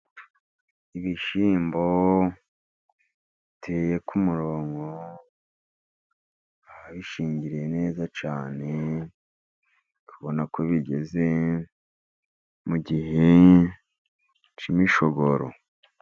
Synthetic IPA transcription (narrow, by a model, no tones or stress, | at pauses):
iβiʃiːmbo̞ | itʰe̞je̞kumuɾoːŋɡo | aβaβiʃiːɲɟiɾije̞ne̞ːzat͡ʃaːne̞ | kʰuβo̞nakoβiɟe̞̰ze | muɟiɦe | t͡ʃimiʃoɡoɾo̰